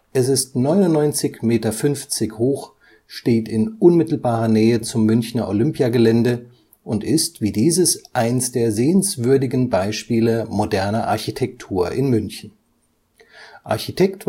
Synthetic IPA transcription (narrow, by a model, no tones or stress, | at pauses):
ʔɛsɪstnɔʏnʊnːɔʏnt͡sɪçmeːtɐfʏnft͡sɪçhoːx | ʃteːtɪnʔʊnmɪtl̩baːʁɐnɛːət͡sʊmːʏnçnɐʔolʏmpjaɡəlɛndə | ʔʊntɪstv̥iːdiːzəsʔaɪnsd̥eːɐzeːənsv̥ʏɐdɪɡn̩baɪʃpiːləmodɛɐnɐʔa̰ɐçitʰɛk̚tʰuːɐʔɪnmʏnçn̩ | ʔa̰ɐçitʰɛkt